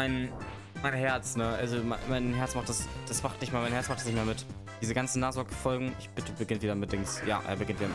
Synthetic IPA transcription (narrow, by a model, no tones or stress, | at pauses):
maɪn | maɪnɦɛɐt͡snəʔa̰lzomamaɪnɦɛɐt͡smaχtd̥asd̥asmaχtnɪçtmeːɐmaɪnɦɛɐt͡ssmaχtɛsnɪçtmeːɐmɪt | d̥iːzəɡant͡sn̩ːaːχzɔkfɔlɡŋ̩ʔɪçb̥ɪtəbəɡɪntv̥iːdɐmɪt̚d̥ɪŋsja̰ːʔḛːɐbəɡɪntviːdɐ